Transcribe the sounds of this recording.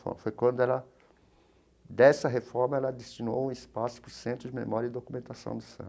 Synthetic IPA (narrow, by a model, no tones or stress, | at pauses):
fɔ̰ɾmɐfojkwɐ̃nd̪ʊɛlɐ | d̪ɛsɐɦefɔɾmɐɛlɐd̪est͡ʃino̰wũispasʊ̥pɾʊɾsẽnt̪ɾʊd͡ʒɪmḛmɔɾjɐid̪okumẽnt̪asɐ̰̃w̃d̪ʊsɐ̰̃